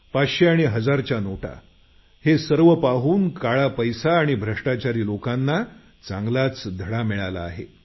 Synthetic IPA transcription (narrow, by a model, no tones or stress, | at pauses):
paɕeaɽ̃iɦəd͡zaɾt͡ɕjanoʈa̰ | hesəɾʋəpaɦuːnkaɭapəjsaːɽ̃ibʱɾəʂʈat͡ɕaɾiːlokanːa | t͡sãŋɡlat͡sd̪ʱəɽamiɭala̰ːɦḛ